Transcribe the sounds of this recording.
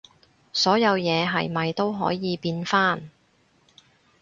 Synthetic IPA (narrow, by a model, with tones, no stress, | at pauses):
sɔː˨˥jɐ˨˧wjɛː˨˧ɦɐ̰˨˩jmɐ˨jt̪o˥wɦɔ̰ː˨˥jiː˨˧piː˧nfaː˥˩n